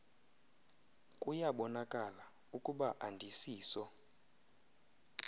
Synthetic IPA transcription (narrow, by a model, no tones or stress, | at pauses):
kʼujaɓɔnakʼala | ukʼuɓaʔandʱisiːsɔ